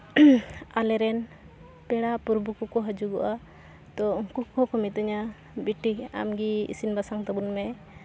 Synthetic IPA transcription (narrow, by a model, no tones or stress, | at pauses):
alɛɾɛn | pɛɽaʔpuɾbukukɔɦəd͡ʒuɡɔʔa | t̪ɔŋkukɔkɔmit̪ɔɲa | biʈia̰mɡiḭsinbasaŋt̪ɔbunmɛ